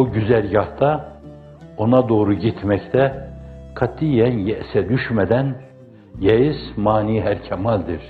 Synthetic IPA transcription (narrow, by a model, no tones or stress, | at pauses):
uɟyzælʲjɑht̪a | onad̪o̞ːɾuɟit̪ʰmɛct̪ʰɛkʰat̪ʰːijɛnjɛsɛd̪yʃmɛd̪æn | jɛjizmaːniɦæɾcʰɛmɑlʲd̪iɾ̥